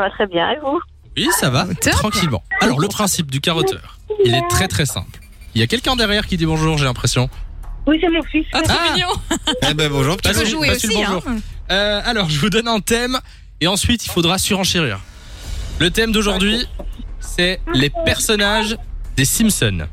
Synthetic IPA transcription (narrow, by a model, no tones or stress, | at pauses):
vat̪χɛbjɛ̰̃evu | wisavat̪χɑ̃kʲilmɑ̰̃alɔʁləpχɛ̃sip̚d̪ykaʁɔt̪ʰœ̰ːʁ | ilɛt̪χɛt̪χɛsɛ̰̃pl | iljakʲɛlkʲɛ̃d̪ɛʁjɛʁkʲid̪ibɔ̃ʒuʁʒelɛ̃pχesjɔ̃wisɛmɔ̃fist̪aminjɔ̃bɛbɔ̃ʒuʁpət̪asypasibɔ̃ʒuːʁøalɔʁʒəvud̪ɔnɛ̃t̪ɛm | eɑ̃sɥit̪ilfod̪ʁasyʁɑ̃ʃiʁḭːʁ | lət̪ɛmd̪oʒuʁd̪ɥisɛlepɛʁsɔnaʒd̪esimsɔn